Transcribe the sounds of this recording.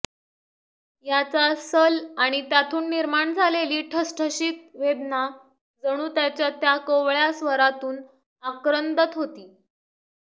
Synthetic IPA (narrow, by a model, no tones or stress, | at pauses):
jat͡sasəlaɽ̃it̪jat̪ʰuːnːiɾmaɳd͡zʱaleliːʈʰəsʈʰəɕiːk̚ʋed̪na | d͡zəɽ̃uːt̪jat͡ɕjat̪jakoʋɭjasʋəɾat̪uːn | akɾənd̪ət̪ɦot̪iː